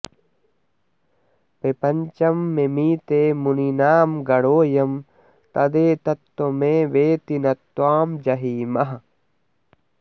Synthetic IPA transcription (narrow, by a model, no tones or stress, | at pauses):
pepɐɲt͡ʃɐmːemiːt̪eːmuninaːmɡɐɽoːjɐm | t̪ɐd̪eːt̪ɐt̪ːomẽːʋeːt̪inɐt̪ːwaːmd͡ʒɐɦiːmɐɦɐ